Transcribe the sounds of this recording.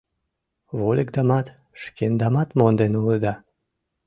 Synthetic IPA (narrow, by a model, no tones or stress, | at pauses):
βolʲekd̪ɑmɑt̪ | ʃkend̪ɑmɑt̪mond̪enulˠəd̪ɑ